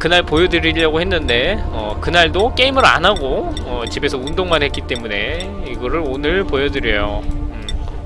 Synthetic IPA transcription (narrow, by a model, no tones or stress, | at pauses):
kɯnaɭpojʌdɯɾiʎːʌɡohe̞nːɯnde̞ʌkɯnaɭdok͈e̞imɯɾa̰nɦaɡo | ʌt͡ɕibe̞sʰʌundoŋmanɦe̞tk͈it͈e̞mune̞ | iɡʌɾɯɾonɯɭpojʌdɯɾjʌjoɯ